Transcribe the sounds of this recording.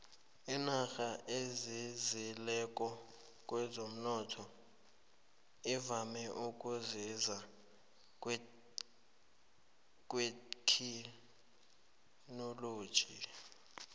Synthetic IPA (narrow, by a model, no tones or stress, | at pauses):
inaxaʔezizilɛk̬ʼɔ | kʼwɛzom̩nɔtʰɔ | ivamɛʔuk̬ʼuziza | kʼ | k̬ʼwekʰi | noloːd̥ʒ̥ʱi